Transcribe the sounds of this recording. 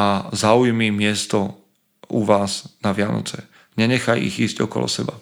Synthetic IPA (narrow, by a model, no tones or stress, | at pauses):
azaujmimɪɛst̪ɔ | uʋaːznaʋɪanɔ̰t͡sɛ | ɲɛɲɛxajḭɣiːzcɔkɔ̰lɔ̰sɛba